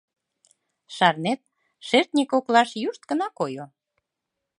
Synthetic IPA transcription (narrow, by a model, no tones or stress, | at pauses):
ʃɑrnet̪̚ | ʃert̪nʲikoklɑʃjuʃt̪̚kə̆nɑkojo